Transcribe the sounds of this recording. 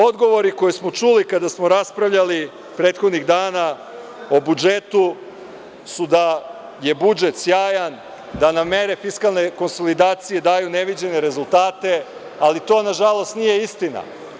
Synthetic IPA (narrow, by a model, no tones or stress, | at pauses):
o̞d̪ɡo̞ʋo̞ɾiko̞jesmo̞t͡ʃulikad̪asmoɾaspɾaʋʎali | pɾe̞ːt̪xo̞d̪niɣd̪aːna | o̞bud͡ʒet̪u | sud̪a | je̞bud͡ʒe̞t̪sjaːjan | d̪aname̞ɾefiskalˠne̞ko̞nso̞lid̪aːt̪sije̞d̪aːjuneʋid͡ʑe̞ne̞ɾe̞zulˠt̪aːt̪e̞ | alit̪o̞ːnaʒalˠo̞st̪nije̞ist̪ina̰